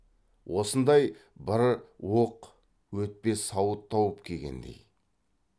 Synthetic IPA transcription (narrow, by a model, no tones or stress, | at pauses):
wʔo̞sənd̪ɑjbəɾwoq | wɵt̪̚pe̞sɑwət̪ʰːɑwəpkʲʰe̞ɡʲe̞̰nd̪e̞̰j